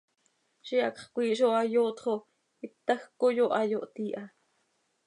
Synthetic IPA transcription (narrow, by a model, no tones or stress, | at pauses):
ʃiɑkχkʷiːʃ̬oɑjoːt̪χo | it̪ːaxkojoʔɑjoʔt̪iːʔa